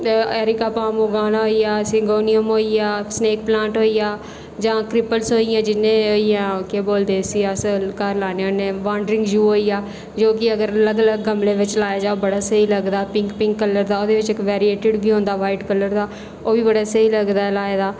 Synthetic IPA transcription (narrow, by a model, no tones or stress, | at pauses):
ɛːɾɪkaːpãːmoːɡaːnaːɦoːiːaːəsĩːɡoːniəmɦoːiːaːsneːk̚plãːɳʈɦoːiːaː | d͡ʒãːkɾɪpəlsɦoːijãːd͡ʒɪnːẽːoːijãːkeboːld̪eːsiasəlkəɾlaːneːoneːʋaːɳɖɾɪ̃ŋɡd͡ʒuːɦoːiːaː | d͡ʒoːkɪəɡəɾləɡələɡːəmleːʋɪt͡ʃlaːjaːd͡ʒaːobəɽaːsəiːləɡd̪aːpɪ̃ŋkpɪ̃ŋkːələɾd̪aːoːd̪eːʋɪt͡ʃkːʋɛːɾieːʈɪɖbiːõːnd̪aːʋaːɪʈkəlːəɾd̪aː | oːʋiːbəɽaːsəiːləɡd̪aːɛlaːeːd̪aː